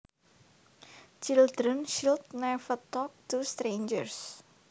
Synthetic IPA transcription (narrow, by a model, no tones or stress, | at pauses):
t͡ʃild̪ɾənʃilt̪̚nɛfət̪ɔk̚t̪ust̪ɾend͡ʒərs